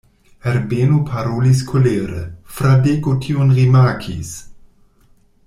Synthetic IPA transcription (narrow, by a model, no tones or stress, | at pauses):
ɛɾbeːnupʰaɾolis̬kʰoleːɾə̰fɾadekotʰionʁimakʰḭs